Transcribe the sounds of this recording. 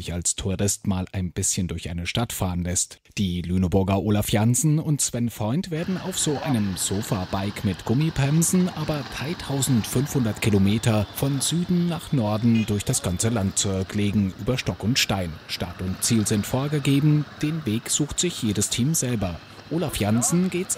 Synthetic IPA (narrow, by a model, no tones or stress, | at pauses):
ɪçalstʰuʁɪstmaːlʔaɪnb̥ɪsçəndʊɐçʔa̰ɪnəʃtatfaːʁənlɛst | d̥iːlyːnəbʊɐɡɐʔoːlafjanzn̩ʊntsv̥ɛnfʁ̥ɔʏntv̥eːɐdn̩a̰ʊfz̥oːʔaɪnəmz̥oːfabaɪkmɪtɡ̥ʊmipʁɛmzn̩ʔaːbɐd̥ʁaɪtʰaʊzn̩tfʏnfhʊndɐtkʰilomeːtɐfɔnzyːdn̩naːχnɔɐdn̩dʊɐçd̥asɡ̥ant͡səlant̚t͡sɔɐkleːɡŋ̩ʔʔyːbɐʃtɔkʊntʃtaɪnʃta̰tʊntt͡siːlzɪntfoːɐɡəɡeːbm̩d̥eːnveːkz̥uːxtz̥ɪçjeːdəstʰiːmzɛlbɐ | ʔoːlafjanzn̩ɡeːt